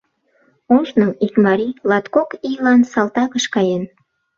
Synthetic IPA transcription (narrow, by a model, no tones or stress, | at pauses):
oʃnəmikmɑɾilɑt̪kokijlɑnsɑlt̪ɑkəʃkɑjen